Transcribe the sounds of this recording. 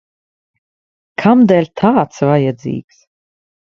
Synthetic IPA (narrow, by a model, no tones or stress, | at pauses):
kʰamd̪ɛlʲt̪ʰaːt̪svajad̪zḭːks